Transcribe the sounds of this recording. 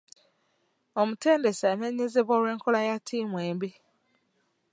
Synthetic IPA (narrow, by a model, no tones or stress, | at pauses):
ɔm̩ten̩desaneɲezɪbɔɾeŋ̩kʊlajatʰimwembi